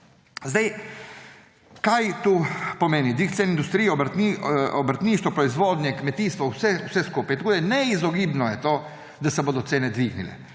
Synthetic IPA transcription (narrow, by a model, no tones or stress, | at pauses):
zd̪aj | kajt̪uːpɔmeːnid̪ʋixt̪seːnind̪ust̪ɾiːɛɔbɾt̪iɔbɾat̪niːʃt̪ʋɔpɾɔizʋoːd̪njɛkmɛt̪iːst̪ʋɔwsɛusɛskupajt̪akoːd̪ajnɛizɔɡiːbnɔjɛt̪oː | d̪asɛboːd̪ɔt̪seːnɛd̪ʋiɡnḭlɛ̰